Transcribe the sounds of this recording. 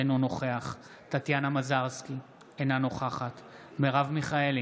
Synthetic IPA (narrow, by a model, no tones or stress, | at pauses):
enono̞χeaχ | tat̪janamazaʁski | enanoχaχat̪ | meʁavmiχaeli